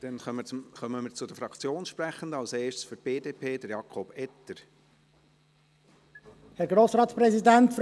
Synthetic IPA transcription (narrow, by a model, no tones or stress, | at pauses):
d̥ɛnœməχœməməɾt͡sʊd̥̪əfɾɑkt͡sjoːnʃpɾæχəndɑlseːʃtsfyɾt̚b̥eːdeːpʰeːd̥̪əɾjɑkʰɔb̥ɛt̪əɾ | hɛɾɡɾoːsɾɑːt̪spɾɛsidæntf